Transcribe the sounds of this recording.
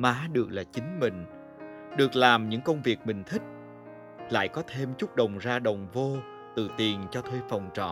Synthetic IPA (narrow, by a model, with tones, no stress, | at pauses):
maː˨˦ɗɨ˨˩ək̚laː˨˩t͡ɕï˨˦ŋ̟mï˨˩ŋ̟ | ɗɨ˨˩ək̚laː˨˩mɲɨ̰˧˥ŋkə˧wŋ͡mvi˨˩ək̚mï˨˩ŋ̟t̪ʰï˦˥k̟̚ | la̰ː˧˨jkɔ˨˦t̪ʰe˧mt͡ɕʊ˦˥k͡p̚ɗə˨˩wŋ͡mzaː˧ɗə˨˩wŋ͡mvo˧ | t̪ɨ˧˨˩t̪i˨˩ənt͡ɕɔ˧t̪ʰwe˧fə˨˩wŋ͡mt͡ɕɔ̰˧˨